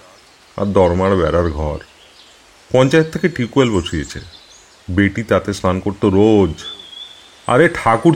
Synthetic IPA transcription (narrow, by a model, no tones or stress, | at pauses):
a̰ɾd̪ɔɾmaɽbɛɾaɾɡʱɔɾ | pɔnt͡ɕaet̪ʰːekeʈikuelboʃiet͡ɕʰḛ | beʈit̪at̪est̪ankoɾt̪oɾod͡ʑ | a̰ɾeʈʰakuɾ